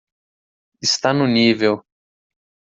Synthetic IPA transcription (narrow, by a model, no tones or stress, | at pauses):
ɪst̪anʊnivew